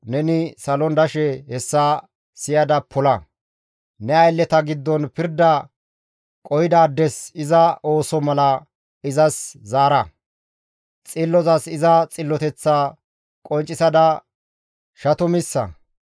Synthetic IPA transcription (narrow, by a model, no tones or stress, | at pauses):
nɛnɪsɐlɔnd̪ɐʃɛhɛsːa | sɪjɐd̪ɐpʰɔlɐ | nɛɐjlːɛt̪ɐɡɪd̪ːɔnpɪɾd̪ɐ | kʼɔjɪd̪aːd̪ːɛsɪzɐo̞ːsɔmɐlɐ | ɪzɐszaːɾɐ | t͡sʼɪlːɔzɐsɪzɐt͡sʼɪlːɔt̪ɛt͡sːa | kʼɔnt͡ʃʼːɪsɐd̪ɐ | ʃɐt̪ɔmɪsːɐ̰